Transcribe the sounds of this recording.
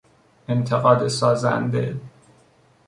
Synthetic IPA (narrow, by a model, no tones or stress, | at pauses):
ent̪ʰeɣɒːd̪esɒːzæ̰nd̪e̞̰